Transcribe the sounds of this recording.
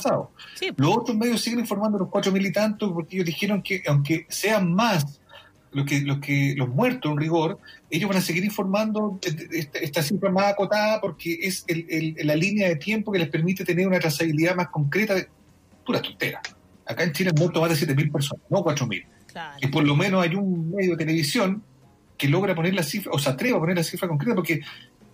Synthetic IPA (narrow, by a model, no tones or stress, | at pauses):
sao̰losot̪ɾozme̞ðjosːiɣeniɱfoɾmand̪lohkwatɾomilit̪ant̪opoɾkeejozðixeɾoŋkeʔawŋkeseanmas | lokelokelozmwe̞ɾt̪osenriɣo̞ɾeʝovβanase̞ɣiɾiɱfo̞ɾmand̪oeht̪aeht̪asifɾamasakot̪aðapoɾkeʔeselellalinjaðet̪je̞mpokelepeɾmit̪et̪eneɾunat̪ɾasaβiliðamaskoŋkɾet̪aðe | t̪uɾat̪ont̪ḛɾa̰ | akaent͡ʃilemweɾt̪omazðesjet̪emilpeɾs̬o̞nasnokwatɾomḭl | kepoɾlomenosajunːeðjoet̪eleβisjo̞ŋ | keloɣɾaponeɾlasifɾaʔoseat̪ɾeβaponeɾlasifɾako̞ŋk̬ɾet̪ap̬oɾke